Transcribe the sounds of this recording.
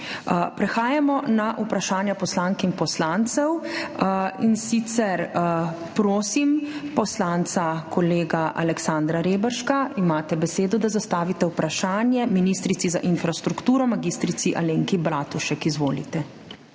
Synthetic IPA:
pɾɛxaːjamɔnaʔupɾaʃaːnjapɔslaŋkinpɔslaːnt̪sɛw | insit̪sɛɾ | pɾoːsimpɔslant̪sakʰɔleːɡaʔa̰lɛksaːnd̪ɾaɾeːbəɾʃkaimaːt̪ɛbɛseːd̪ɔd̪azast̪aːʋit̪ɛwpɾaʃaːnjɛminiːst̪ɾit̪sizaʔinfɾast̪ɾukt̪uːɾɔmaɡist̪ɾit̪siʔaleːŋkibɾaːt̪uʃɛkizʋoːlḭt̪ɛ

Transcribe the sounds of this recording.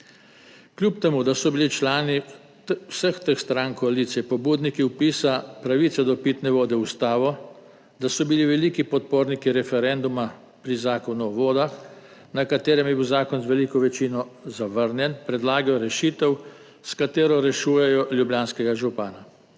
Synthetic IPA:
klʲjupt̪ɛmud̪asɔbilit͡ʃlaːni | wsəxt̪əxst̪ɾaŋkɔaliːt̪sijɛpɔbuːd̪nikiwpiːsapɾaʋiːt̪sɛd̪ɔpit̪nɛʋoːd̪ɛust̪aːʋɔ | d̪asɔbiliʋɛliːkipɔt̪̚poːɾnikiɾɛfɛɾɛnd̪uma | pɾizaːkɔnuɔʋoːd̪ax | nakat̪eːɾɛmjɛbiwzaːkɔnzʋɛlikɔʋɛt͡ʃiːnɔzaʋəɾnjɛnpɾɛd̪laːɡajɔɾɛʃiːt̪ɛw | skat̪eːɾɔɾɛʃuːjɛjɔljubjaːnskɛɡaʒupaːna

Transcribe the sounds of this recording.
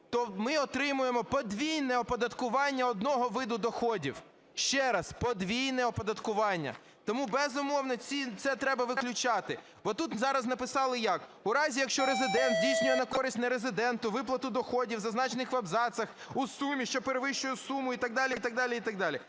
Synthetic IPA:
t̪ɔmɪɔt̪ɾɪmʊjemɔpɔd̪ʋʲijnɛɔpɔd̪ɐt̪kʊʋɑnʲːɐɔd̪̚nɔɦɔʋɪd̪ʊd̪ɔxɔdʲḭw | ʃt͡ʃɛɾɐspɔd̪ʋʲijnɛɔpɔd̪ɐt̪kʊʋɑnʲːɐ̰ | t̪ɔmubɛzʊmɔwnɔt͡sʲit̪sɛt̪ɾɛbɐʋɪklʲʊt͡ʃɑt̪ɪ | bɔt̪ut̪zɑɾɐznɐpɪsɑlˠɪjɑkʊɾɑzʲijɐkʃt͡ʃɔɾezɪd̪ɛnt̪dʲijsʲnʲʊjɛnɐkɔɾɪsʲtʲnɐɾezɪd̪ɛnt̪ʊʋɪplˠɐt̪ʊd̪ɔxɔdʲiwzɐznɑt͡ʃenɪxʋɐbzɑt̪sɐx | usumʲiʃt͡ʃɔpeɾeʋɪʃt͡ʃʊjʊsumʊit̪ɐɡd̪ɑlʲit̪ɐɡ̚d̪ɑlʲiit̪ɐɡd̪ɑlʲi

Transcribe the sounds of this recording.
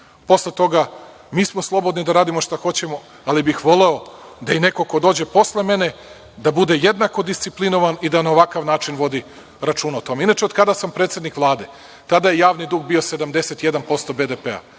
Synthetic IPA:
po̞sle̞t̪o̞ɡa | miːsmoslˠo̞bo̞d̪nid̪aɾaːd̪imoʃt̪axo̞t͡ɕe̞mo̞ | alibixʋo̞le̞o̞d̪aine̞ko̞ko̞d̪o̞ːd͡ʑe̞po̞sle̞me̞ne̞ | d̪abud̪e̞jed̪nako̞d̪ist̪siplinoʋanid̪anaoʋakaʋnaːt͡ʃinʋod̪i | ɾat͡ʃuːnaot̪o̞meinat͡ʃeod̪̥̚kad̪asampɾeːt̪se̞d̪nikʋlˠaːd̪e̞ | t̪ad̪ajejaːʋnid̪uːɡ̚bio̞se̞d̪amd̪e̞se̞t̪je̞d̪anpo̞st̪o̞bed̪epea̰

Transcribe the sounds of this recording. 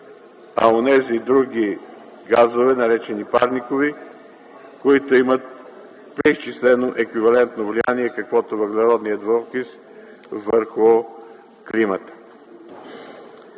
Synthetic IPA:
ɐa̰onɛzid̪ɾuɡʲi | ɡazovɛnɐɾɛt͡ʃɛnipa̰ɾnikovi | koit̪oimət̪̚ | pɾɛist͡ʃislɛnoʔɛkvivɐlɛnt̪novlianiɛkɐkvɔt̪ovəɡlʲɛɾɔd̪nijəd̪volˠxis | vəɾxʊ | klimət̪ə̥

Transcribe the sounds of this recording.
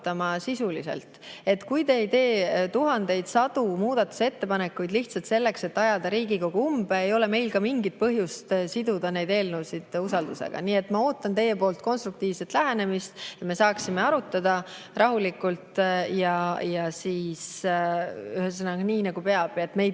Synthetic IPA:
t̪ːɑmɑsisulise̞̰lt̪ˑe̞t̪kujt̪e̞ːjt̪e̞ːt̪uɦɑnd̪e̞jd̪̥sɑd̪̥umuːd̪̥ɑt̪ːˑu̥se̞t̪ːe̞pɑne̞kːˑujd̪liht̪sɑlt̪se̞lːe̞kse̞t̪ːɑjɑd̪ɑɾiːɡiko̞ɡ̥uumbe̞ːjo̞le̞me̞jlkɑmiŋɡit̪̚pɤɦjust̪sid̪ud̪̥ɑne̞jd̪e̞ːlnuwsid̪̥usɑld̪use̞̰ɡ̥ɑ̰niːe̞t̪ːmɑo̞ːt̪ːˑɑnt̪e̞jːepo̞ːlt̪̚ko̞nst̪ɾukt̪iːv̥se̞t̪læɦæne̞mist̪jɑme̞sɑːksime̞ɑɾut̪ːˑɑd̪̥ɑ | rɑɦulikult̪jɑjɑsiːs | yɦesenɑɡniːnɑɡupeɑb̥jet̪ːme̞j

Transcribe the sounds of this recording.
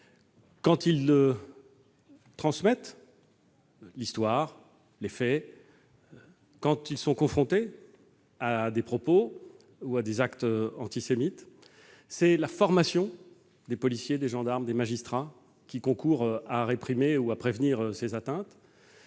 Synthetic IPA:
kɑ̃t̪ilːə | t̪χɑ̃smɛt̪ | list̪waːʁ | lefɛ | kɑ̃t̪ilsɔ̃kɔ̃fχɔ̃t̪e | ad̪epχɔpo | uad̪ezakt̪ɑ̰̃t̪isemit̪ | sɛlafɔʁmasjɔ̃ | d̪epɔlisjed̪eʒɑ̃d̪aʁmd̪emaʒist̪χa | kʲikɔ̃kuʁaʁepχimeuapχevniʁøsezat̪ɛ̃t̪

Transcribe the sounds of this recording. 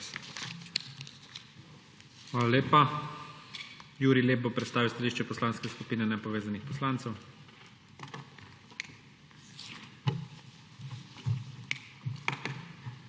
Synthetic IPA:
xʋaːlaleːpa | juːɾileːp̚bopɾɛt̪st̪aːʋiwst̪aliːʃt͡ʃɛpɔslaːnskɛskupiːnɛnɛpɔʋeːzanixpɔslaːnt̪sɛw

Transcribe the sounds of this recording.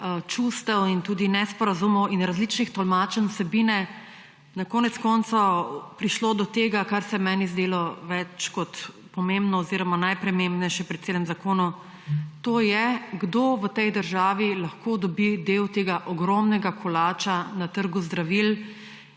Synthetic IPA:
t͡ʃust̪ɛwint̪uːd̪inɛspɔɾazumɔwinɾazlit͡ʃnixt̪ɔlmat͡ʃɛnsɛbiːnɛ | nakɔːnɛt̪skɔnt̪sɔpɾiʃloːd̪ɔt̪eːɡakaɾsɛmɛːnizd̪eːlɔʋɛt͡ʃkɔt̪ | pɔmẽmbnɔːziɾɔmanajpɾɛmembnɛjʃɛpɾɛt̪t̪seːlɛmzakoːnɔ | t̪oːjɛɡd̪oʋət̪ɛjd̪əɾʒaːʋilɐxkod̪ɔbid̪ewt̪eːɡaʔɔɡɾɔmnɛɡakʰɔlaːt͡ʃanat̪əɾɡuzd̪ɾaʋil

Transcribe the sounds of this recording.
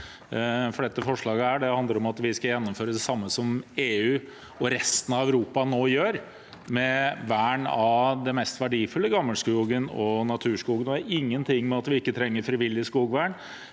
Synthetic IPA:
fɔɖɛt̪ːəfɔʂɭɑːɡəæɖɛhɑnd̪ləɾɔmɑt̪ʋɪskɑjɛnːɔmføːɾəd̪ɛsɑmːəsɔmeːʉː | ɔɾɛst̪ənɑʋæʉɾuːpɑnoːjøːɾ | mɛʋæːɳɑd̪ɛmɛst̪ʋæɖiːfʉlːəɡɑmːəlskuːɡənɔnɑt̪ʰʉːʂkuːɡənɔæɾɪŋːənt̪ʰɪŋːmɛɑt̪ʋɪɪkːət̪ʰɾɛŋːəɾfɾɪʋɪlːɪskuːɡʋæːɳ

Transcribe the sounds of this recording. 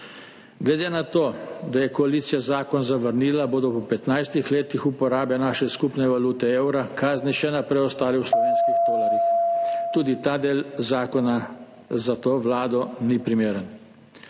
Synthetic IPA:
ɡlɛd̪eːnat̪oːd̪ajɛkɔaliːt̪sijazaːkɔnzaʋəɾniːlaboːd̪ɔpɔpɛt̪najst̪ixleːt̪ixupɔɾaːbjanaːʃɛskupnɛʋaluːt̪ɛewɾakaːzniʃɛnapɾɛjɔst̪aːliwslɔʋeːnskiɣd̪oːlaɾjixt̪uːd̪it̪aːd̪eːlzaːkɔna | zat̪oːʋlaːd̪ɔnipɾimeːɾən

